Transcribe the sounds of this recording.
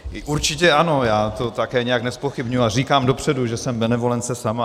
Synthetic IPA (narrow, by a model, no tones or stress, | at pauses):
ɪʔuɾt͡ʃɪcɛʔano̞jaːt̪o̞t̪akɛːɲɛjaknɛspo̞xɪbɲujuariːkaːmdo̞pr̝̥ɛduʒɛsɛmbɛnɛvo̞lɛnt͡sɛsama